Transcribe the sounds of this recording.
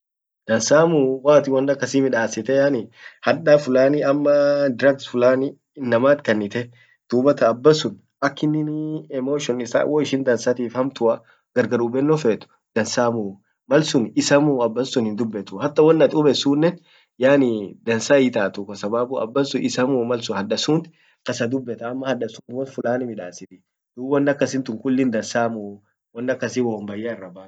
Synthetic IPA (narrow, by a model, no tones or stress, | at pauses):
d̪̥ɐnsaːmuːwaːt̪ɪwɔnːɐkːɐsiːmɪᶑaːsɪt̪ɛjaːnihɐᶑaːfʊlaːniɐmːɐd̪ɾɐɡsfʊlaːni | ɪnːɐmaːt̪kɐnːɪt̪ɛ | d̪̥uːbɐt̪ɐːbːɐsʊn | ɐkːɪnɪnɛmoːʃɔnɪsa̰wɔɪʃɪnd̪ɐnsaːt̪iːfhɐmt̪ʊɐ | ɡ̥ɐɾɡɐɾubɛnːɔfeːt̪ʊ̥ | d̪̥ɐnsaːmuː | mɐlsʊnɪsɐmuːɐbːɐnsʊnhɪnd̪ʊbːɛt̪ʊhɐt̪ːɐwɔnːɐt̪ʊbɛsuːnːɛn | jaːnɪd̪ɐnsaɪt̪aːt̪ʊkɔsɐbaːbuɐ̰bːɐsʊɪsɐmuːmɐlsʊhɐᶑɐsuːnt̪ | kɐsɐd̪ʊbːɛt̪ɐːmːɐhɐᶑɐsumɔt̪fʊlaːnɪmɪᶑaːsɪt̪ɪ | d̪̥uːwɐnːɐkːɐsɪnt̪ʊŋkʊlːɪnd̪ɐnsaːmu | wɐnːɐkːɐsɪwɔmbɐjːaːɪrːɐbḁː